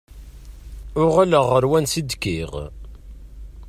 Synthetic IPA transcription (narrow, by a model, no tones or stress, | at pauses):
ʊʁaləʁːəɾwænsid̪kiʁ